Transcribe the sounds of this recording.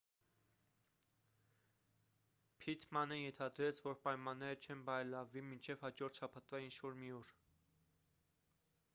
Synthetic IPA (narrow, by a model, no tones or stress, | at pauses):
pʰit̪ʰmɑnəjɛnt̪ʰɑd̪ɾɛt͡sʰvɔɾpɑjmɑnːɛɾət͡ʃʰɛnbɑɾɛlɑvːimint͡ʃʰɛvhɑd͡ʒɔɾt̪ʰʃɑpʰɑt̪vɑint͡ʃʰvɔɾmiɔɾ